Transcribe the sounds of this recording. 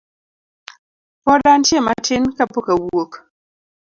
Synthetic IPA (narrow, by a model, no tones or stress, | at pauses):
pɔdan̩tjema̰tʰinkapokawok